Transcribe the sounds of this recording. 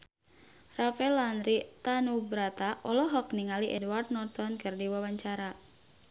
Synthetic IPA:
rafɛlanɾit̪anubɾat̪aʔɔlɔɦɔkniŋaliʔɛdwart̪̚nɔrt̪ɔnkərdiwawaɲt͡ʃaɾa

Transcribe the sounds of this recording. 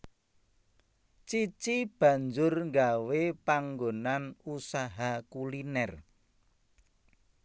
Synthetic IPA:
t͡ʃit͡ʃib̥ä̤ɲd͡ʒʊrŋɡawepaŋɡonanusaɦakulinɛr

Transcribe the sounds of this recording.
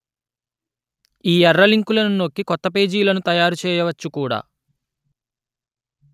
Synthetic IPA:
iːɛrːɐliŋkulɐnuno̞kːikɔt̪ːɐpe̞ːd͡ʒiːlɐnut̪ɐjaːɾut͡ʃɛːjɐʋɐt͡ʃːukuːɽa̰ː

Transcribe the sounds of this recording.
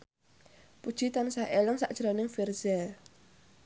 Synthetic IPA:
pud̥ʒ̥it̪ansaʔeləŋsaʔd̥ʒ̥ɾanɪŋfirzɛl

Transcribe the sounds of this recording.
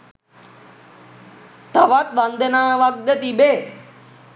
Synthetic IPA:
t̪əʋat̪ʋand̪enaːʋak̚d̪ət̪ibe

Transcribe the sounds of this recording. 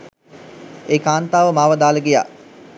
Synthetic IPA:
eːkaːnt̪aːʋəmaːʋəd̪aːləɡija̰ː

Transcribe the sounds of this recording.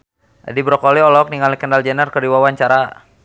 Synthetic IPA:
dibɾɔkɔliɔlɔk̚niŋalikəndald͡ʒɛnərkədiwawaɲt͡ʃaɾa

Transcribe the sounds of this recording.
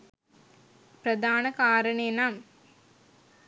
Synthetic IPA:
pɾɐd̪aːnɐkaːɾɐɳeːnaːm

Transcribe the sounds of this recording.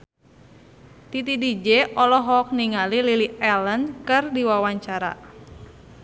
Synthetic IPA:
t̪it̪idid͡ʒɛʔɔlɔɦɔk̚niŋalililiɛlənkɨrdiwawaɲt͡ʃaɾa̰

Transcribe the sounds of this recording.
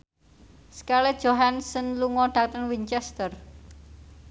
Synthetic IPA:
skalɛ̥ʒ̥oɦansənluŋɔɖ̥äk̚t̪əŋwiɲt͡ʃɛst̪ər

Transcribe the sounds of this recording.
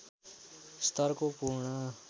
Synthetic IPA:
st̪ʌɾkopuɾɳʌ

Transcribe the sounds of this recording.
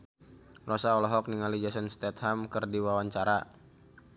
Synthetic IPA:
rɔsaɔlɔɦɔk̚niŋalid͡ʒasənst̪ɛt̪hamkərdiwawaɲt͡ʃaɾa

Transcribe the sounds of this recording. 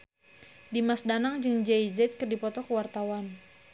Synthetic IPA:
dimasdanaŋd͡ʒɨŋd͡ʒɛjzɛt̪̚kərdipɔt̪ɔkəwart̪awan

